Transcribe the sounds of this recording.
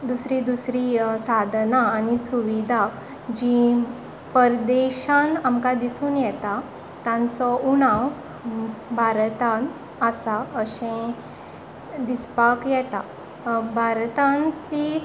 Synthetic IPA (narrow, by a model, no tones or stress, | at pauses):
d̪usɾid̪usɾiːsad̪ʱnaːnisuʋid̪ʱa | d͡ʑĩ | pəɾd̪eɕãnamkad̪isuːnjɛt̪a | t̪ãnt͡sɔuɽ̃ãw | bʱaɾt̪ãn | asaəɕẽ | d̪ispakjɛt̪a | bʱaɾt̪ãnt̪i